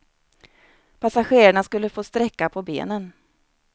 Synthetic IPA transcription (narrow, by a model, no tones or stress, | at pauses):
pʰasaɧeːɾaɳaskɵlːəfoːst̪ɾɛkːapʰɔbḛːnən